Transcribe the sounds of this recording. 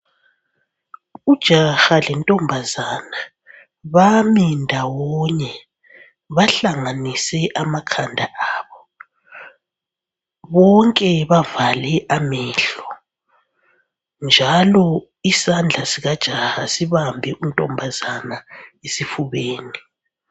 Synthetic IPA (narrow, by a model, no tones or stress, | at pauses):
ud̥ʒ̥ʱaxalɛntʼɔmbʱazana | βamindʱawɔɲɛ | βaɬaŋanisɛʔamakʰandʱaʔaːβɔ | βɔŋkʼɛβavalɛʔamɛːɬɔ | nd͡ʒʱalɔ | isand͡ɮʱasiɣad̥ʒ̥ʱaxasiβambʱɛʔuntʼɔmbʱazanaesifuβeːni